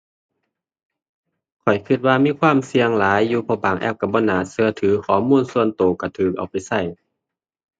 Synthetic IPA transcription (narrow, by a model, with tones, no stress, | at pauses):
kʰɔ˨˩jkʰɯ˧t̪̚waː˧miː˧˥˨kʰwaː˧˥˨msi˧əŋlaː˨˦jːuː˧pʰɔː˧˩baː˨˩ŋʔɛ̰˧˥˩p̚ka˧˩bɔː˧˨naː˨˩sɯ˧ɐt̪ʰɯː˨˦kʰɔː˨˩˦muː˧˥˨nsu˧ənt̪oː˨˩ka˧˩t̪ʰɯː˨˩k̚ʔa̰˨˩wpa˨˩jsa˧˩j